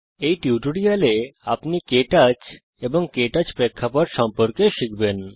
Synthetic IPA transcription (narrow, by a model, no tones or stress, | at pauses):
ejʈiʈoɽialeapnikeʈat͡ɕ | ebɔŋkeʈat͡ɕpɾekʰːapɔʈʃɔmpoɾkeʃikben